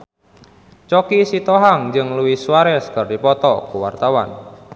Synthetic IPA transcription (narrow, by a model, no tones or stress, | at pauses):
t͡ʃɔkisit̪ɔɦaŋd͡ʒɨŋluwisuwaɾɛsə̥kərdipɔt̪ɔkuwa̰rt̪awa̰n